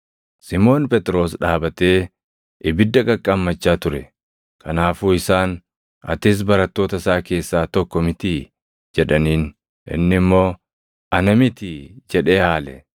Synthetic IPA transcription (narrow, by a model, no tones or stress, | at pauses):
sɪmo̞ːnpɛt̪ʼɾo̞ːsᶑaːbɐt̪e̞ː | ʔɪbɪd̪ːɐkʼɐkʼːamːɐt͡ʃːaːt̪ʊɾɛ | kʰɐnaːfuːɪsaːn | ɐ̰t̪ɪs̬bɐɾɐt̪ːo̞ːt̪ɐsaːke̞ːsːaːt̪ɔkːɔmɪt̪ɪ | d͡ʒɛᶑɐniːn | ʔɪ̰nːɪmːo̞ː | ɐnɐmɪt̪ɪd͡ʒɛᶑe̞ːhaːlɛ̰